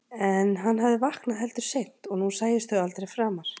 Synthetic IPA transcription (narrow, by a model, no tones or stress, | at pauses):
ɛnɦanːɦavðɪvahknaðɦɛlt̪ʏɾ̥sejn̥t̪ɔɣnusaːjɪst̪θœɣalt̪ɾejfɾaːmaɾ̥